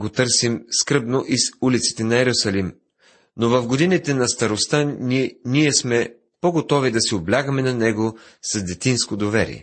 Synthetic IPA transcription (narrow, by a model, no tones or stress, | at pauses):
ɡot̪ɤɾsimskɾɤbnoʔizulit̪si̥t̪ɛnɐɛɾusɐlim | novɐfɡod̪init̪ɛnɐst̪ɐɾost̪aniɛsmɛ | poɡot̪ɔvid̪ɐsɛoblʲaɡəmɛnɐnɛɡo | sɐzd̪ɛt̪inskod̪ovɛɾḭɛ̰